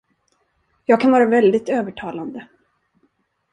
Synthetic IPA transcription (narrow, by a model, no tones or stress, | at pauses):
jɑːɡ̚kʰanvɑːɾavɛld̪ɪt̪øːvəʈʰɑːland̪ə